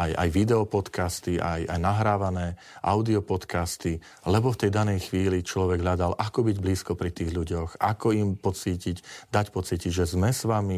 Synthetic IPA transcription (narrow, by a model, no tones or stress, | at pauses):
aja̰jʋid̪ɛɔpɔt̪kast̪iʔa̰ja̰jnaɦɾaːʋanɛː | ʔa̰ʊd̪iɔpɔt̪kast̪i | lɛbɔft̪ɛjd̪anɛjxʋiːlit͡ʃlɔʋɛɡɦʎad̪alʔakɔbiɟbliːskɔpɾit̪iːɣʎuɟɔxʔakɔimpɔt͡siːcicd̪acpɔt͡siːciʒɛzmɛsʋami